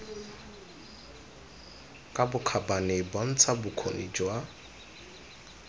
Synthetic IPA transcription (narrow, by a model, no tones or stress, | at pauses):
kʼabʊkʰabaneban̩t͡sʰabʊkʰonid͡ʒwa